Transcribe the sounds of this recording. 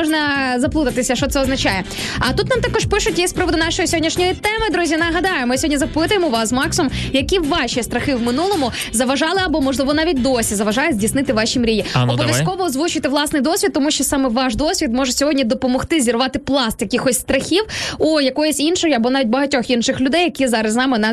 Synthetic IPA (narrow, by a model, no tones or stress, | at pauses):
ɔʒnɐzɐplˠut̪ɐt̪ɪsʲɐʃt͡ʃɔt̪sɛɔznɐt͡ʃajɛ | ɐt̪ut̪nɑmt̪ɑkɔʃpɪʃʊtʲjispɾɔʋɔd̪ʊnɑʃɔjisʲɔɦɔdʲnʲiʃnʲɔjit̪ɛmɪd̪ɾuzʲinɐɦɐd̪ɑjʊmɪsʲɔdʲnʲizɐpɪt̪ʊjemɔʋɑszmɑksɔmjɐkʲiʋɑʃist̪ɾɐxɪʋmɪnulˠɔmʊ | zɐʋɐʒɑlˠɪɐbɔmɔʒlˠɪʋɔnɑʋʲit̚ʲd̪ɔsʲizɐʋɐʒɑjʊzʲdʲisnɪt̪ɪʋɑʃʲimɾʲijʲiɔbɔʋjɐskɔʋɔːzʋut͡ʃʊt̪ɪʋlˠɑsnɪjd̪ɔsʲʋʲit̪ːɔmuʃt͡ʃɔsɑmɛʋɑʃd̪ɔsʲʋʲit̪mɔʒɛsʲɔɦɔdʲnʲid̪ɔpɔmɔxt̪ɪzʲirʋɑt̪ɪplˠɑst̪jɐkɪxɔsʲst̪ɾɐxʲiwujɐkɔjɔsʲinʃɔjiɐbɔnɑʋʲit̚ʲbɐɦɐtʲɔxinʃɪxlʲʊd̪ɛjɐkʲizɑɾɐsnɑmɪn